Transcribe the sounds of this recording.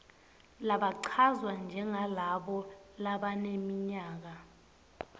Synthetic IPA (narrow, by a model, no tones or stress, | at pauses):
laɓaǀʰazwand͡ʒʱɛŋalaɓɔlaɓanemiɲaːk̬a